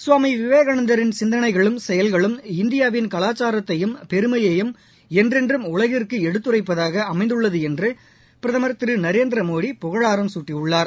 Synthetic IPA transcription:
sʊʋaːmiʋɪʋeːɣɐɳɐnd̪ɐɾɪnsɪnd̪ɐnɐɪɣɐɭɯmsɛjɐlɣɐɭɯmɪnd̪ɪjaːʋɪnkɐlaːt͡ʃːaːɾɐt̪ːɐjɯmpɛɾɯmɐjɐjɯm | ɛndrɛndrɯmʊɭɐɣɪrkɯɛɽɯt̪ːɯrɐɪpːɐðaːɣɐɐmɐɪnd̪ɯɭːɐðɯɛndrɯ | pɪɾɐðɐmɐɾt̪ːɪɾɯnɐɾeːnd̪ɪɾɐmoːɽipʊɣɐɭaːɾɐmsuːʈːiʊɭːaːɾ

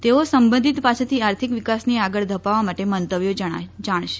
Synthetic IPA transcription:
t̪eosəmbənd̪ʱit̪pat͡ʃʰet̪ʰiaɾt̪ʰikʋikasniaɡəɭd̪ʱəpaʋamaʈemənt̪əʋjod͡ʒəɽ̃a̰d͡ʒaɽ̃ʃe̥

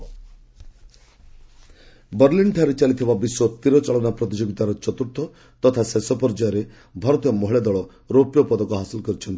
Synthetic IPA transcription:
bəɾliɳɖʈʰaɾet͡ʃalit̪ʰibabiswɔt̪iɾɔt͡ʃɔɭɔnapɾɔt̪id͡ʒɔɡt̪aɾɔt͡ʃɔt̪uɾt̪ʰɔ | t̪ɔt̪ʰasesɔpɔɾd͡ʒajɔɾe | bʱɔɾɔt̪ijɔmɔɦiɭed̪ɔɭɔ | ɾopjɔpɔd̪ɔkɔɦasilkɔɾit͡ʃʰɔnt̪i

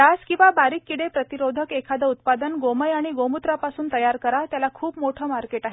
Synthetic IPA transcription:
askĩw̃ʋabaɾiːkːiɽepɾət̪iɾod̪ʱəkekʰad̪əut̪̚pad̪ənɡoməjaɽ̃iɡomut̪ɾapasuːnt̪əjaɾkəɾat̪jalakʰuːpmoʈʰəːmaɾkeʈaɦe

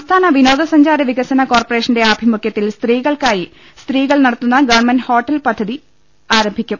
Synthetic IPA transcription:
sɐmst̪ʰaːnɐʋino̞ːðɐsɐɲd͡ʑaːɾɐʋiɣɐsɐnɐko̞ːrpore̞ːʂɐnde̞ɐbʱimukʰjɐt̪ːilst̪riːɣɐɭkaːji | st̪riːɣɐɭnɐɽɐt̪ːunːɐɡɐʋɐɳmɐnho̞ːʈːɐlpɐd̪ʱːɐði | aːɾɐmbʱikʲːum

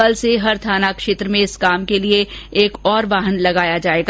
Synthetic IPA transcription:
əlseɦɐɾt̪ʰaːnakʃeːt̪ɾəmẽɪskaːmkelieeːkɔːɾʋaːɦənlɐɡaːjad͡ʒaːeːɡa

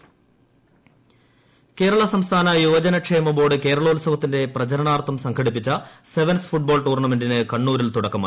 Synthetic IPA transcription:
ke̞ːɾɐɭɐsɐmst̪ʰaːnɐjuːd͡ʑɐnɐkʂeːmɐbo̞ːɽɨke̞ːɾɐɭɐulsɐʋɐt̪ːinde̞prɐt͡ɕɐɾɐɳaːrt̪ʰːɐmsɐŋkʰɐɽipːit͡ɕːɐse̞ʋɐnsfuʈ̚bo̞ːlt̪uːrɳɐme̞ndinɨkɐɳːuːɾilt̪uɽɐkːɐmaː

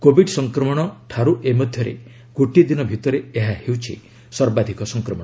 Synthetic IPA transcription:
kobʱiɖsɔŋkɾɔmɔɽ̃ɔʈʰaɾuʔemɔd̪ʱjɔɾḛ | ɡ̥oʈid̪inɔbʱit̪ɔɾeeɦahewt͡ʃʰḭ | sɔɾbad̪ʱikɔsɔŋkɾɔmɔɽɔ

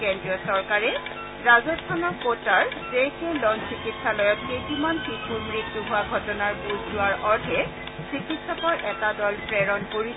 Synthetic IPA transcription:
kendɹiɔsɔɹkaɹɛ | ɹazɔstʰanɔkːotaɹzekewlɔnsikitsalɔjɔtxejkimanpitʰumɹiktuɦʊaɡʱɔtɔnaɹbuzzʊwaɹʔɔɹdʱɛ | sɹikitsɔkɔɹʔɛtadɔlpɹɛɹɔnkoɹi

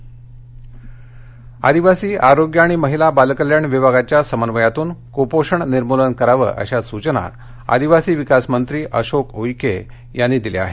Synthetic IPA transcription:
a̰d̪iʋasiːʔaɾoɡjəaːɽ̃iməɦilabalkəljaɳʋibʱaɡat͡ɕjasəmənʋəjat̪uːnkopoʂəɳniɾmolənkəɾaʋə̰ːʔə̰ɕasut͡ɕəna̰ | a̰d̪iʋasiːʋikasmənt̪ɾiːʔəɕokojke | janːiːd̪ilḛa̰ɦe

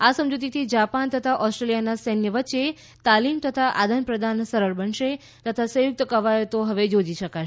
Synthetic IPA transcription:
asəmd͡ʒut̪̬it̪ʰid͡ʒapant̪ət̪ʰaʔɔsʈɾelijanasənjəʋətːʃe | t̪alimt̪ət̪ʰaʔad̪ʱənpɾəd̪ʱansəɾəɾbənʃe | t̪ət̪ʰasəjʊk̚t̪əkəʋajot̪oɦəʋed͡ʒod͡ʒiʃəka

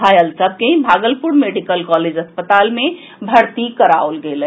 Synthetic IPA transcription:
ajəlsəb̚keĩbʱaɡəlpuɾmeɖikəlkɔled͡ʒəspət̪alme | bʱəɾt̪ikəɾa̰olɡelə

